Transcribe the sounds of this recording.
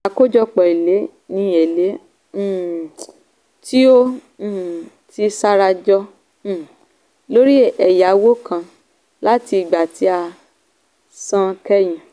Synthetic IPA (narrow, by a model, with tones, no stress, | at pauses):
a˨˧ko˦d͡ʒɔ˧k͡pɔ˨i˨le˨˦ | nĩ˧˦ɛ˨lẽ˨˦˨ | ti˦õ˦˨ | ti˧˦sa˦ɾa˧d͡ʒɔ˧˦˨ | lo˦ɾi˦ɛ˨ja˨˦wo˦kʰã˧ | la˦ti˧˨ɡ͡ba˨tʰi˨˦a˧ | sã˦kɛ˦j̃ĩ˨